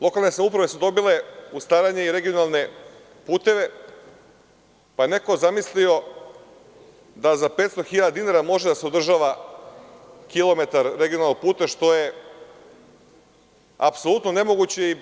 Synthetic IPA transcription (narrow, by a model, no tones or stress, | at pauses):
lˠo̞kalˠne̞samupɾaʋe̞sud̪o̞bile̞ust̪aːɾaɲeiɾe̞ɡio̞nalˠne̞ | puːt̪e̞ʋe̞ | pajene̞ko̞zamislio̞ | d̪azapet̪st̪o̞xiʎad̪ad̪inaɾamo̞ʒed̪aseod̪r̩ʒaʋa | kilˠo̞me̞t̪aɾɾe̞ɡionalnːopuːt̪eʃt̪o̞je̞ | a̰pso̞lˠut̪no̞ne̞mo̞ɡut͡ɕe̞i